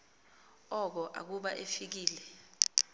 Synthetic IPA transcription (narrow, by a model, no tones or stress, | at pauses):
ɔk̬ɔʔa̰k̬uɓaʔefik̬iːlɛ